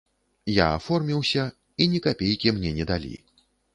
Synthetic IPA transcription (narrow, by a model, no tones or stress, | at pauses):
ja̰ːfɔrmʲiwsʲɐ | inʲikapʲejkʲimnʲɛnʲɛd̪alʲḭ